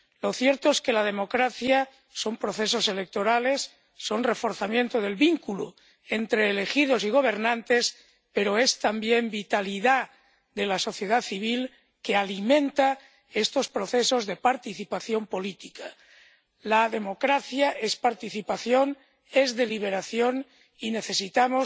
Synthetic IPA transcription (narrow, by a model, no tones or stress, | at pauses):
lo̞θje̞ɾt̪oeske̞lað̞e̞mokɾaθja | so̞mpɾo̞θe̞s̬o̞se̞le̞k̚t̪o̞ɾale̞sː | o̞nre̞fo̞ɾθamjẽ̞nt̪oðe̞lβiŋkulu | e̞nt̪ɾeːle̞xið̞o̞siɣ̞o̞β̞e̞ɾnãnt̪e̞s | pe̞ɾo̞e̞st̪ambje̞mbit̪aliða | ðe̞laso̞θje̞ð̞aθiβ̞il | ke̞alimẽ̞nt̪a | e̞st̪o̞spɾo̞θe̞so̞zðe̞paɾt̪iθipaθjo̞mpo̞lit̪ika | laðe̞mo̞kɾaθjaʔe̞spaɾt̪iθipaθjo̞n | e̞zðe̞liβ̞e̞ɾaθjo̞n | ine̞θe̞sit̪amos